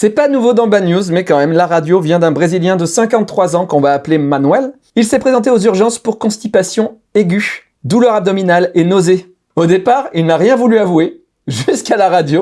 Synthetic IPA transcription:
sɛpanuvod̪ɑ̃banjuzmɛkɑ̃mɛmlaʁad̪jovjɛ̃d̪ɛ̃bʁeziljɛ̃d̪əsɛ̃kɑ̃t̪ːχwazɑ̃kɔ̃vaːplemanwɛl | ilsɛpχezɑ̃t̪eozyʁʒɑ̃spuʁkɔ̃st̪ipasjɔ̃ | eɡʲy | d̪ulœʁab̚d̪ɔminalenoze | od̪epaʁilnaʁjɛ̃vulyavue | ʒyskalaʁad̪jo

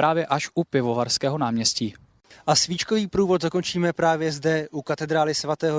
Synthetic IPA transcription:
ɾaːvjɛʔaʃʔupɪvovaɾskɛːɦonaːmɲɛsciː | ʔasviːt͡ʃkoviːpɾuːvo̞t̪zako̞nt͡ʃiːmɛpɾaːvjɛzdɛʔukat̪ɛd̪ɾaːlɪsvat̪ɛːɦo

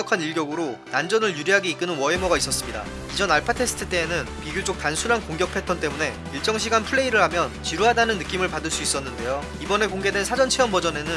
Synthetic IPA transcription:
kʰaniɭɡjʌɡɯɾonand͡ʑʌnɯɭjuɾiɦaɡeik͈ɯnɯnwʌemʌɡais͈ʌs͈ɯmɲida̰ | id͡ʑʌnaɭpʰatʰe̞sʰɯ̥tʰɯt͈e̞ːnɯnpiɡjod͡ʑok̚tansʰunankoŋɡjʌk̚pʰe̞tʰʌnt͈e̞mune̞ | iɭt͡ɕ͈ʌŋɕʰiɡanpʰɯɭːe̞iɾɯɭhamjʌnt͡ɕiɾuɦadanɯnːɯk͈imɯɭpadɯɭs͈uis͈ʌnːɯnde̞jo | ibʌne̞koŋɡe̞dwe̞nsʰad͡ʑʌnt͡ɕʰeʌnbʌd͡ʑʌne̞nɯ

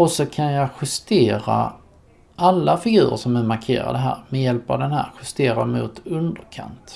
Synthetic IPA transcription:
ɔsɔkʰanjɑɧɪst̪eːɾa̰ | ʔalːafɪɡʉ̟ːɾə̰ʂɔmɛmaɾkʰḛːɾa̰d̪əɦæ̰ːɾmɛjɛlpɑ̰vd̪ɛnhæ̰ːɾɧɪst̪eːɾad̪mʊ̰t̪ɵnd̪əɾkʰa̰nt̪

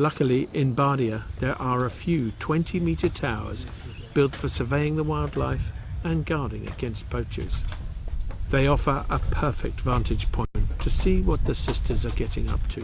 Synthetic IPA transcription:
lʌkl̩ˠiʔɪ̃nbɑɹɾiɨðə˞ʔə˞əfjʉtʰw̥ɛ̃ntʰimiɾə˞tʰaʊə̰˞z̥ | b̥ɪlˠtfəsə˞veɪɪ̃ŋðəwaɪlˠdˡla̰ɪfɨ̃nɡɑɹɾɪ̃ŋɨ̰ɡ̥ɛ̃nstb̥ʰoʊt͡ʃɨ̰z̥ | ðeɪɔfə˞ʔəpʰɜ˞fɪ̰k̚tvæ̃ntɨd̥ʒ̥pʰɔ̃ɪ̃ɨ̃ntʰɨsiwʌt̪̚ðɨsɪstʰə˞zə˞ɡɛɾɪ̰̃ŋʌ̰p̚tʰɨ

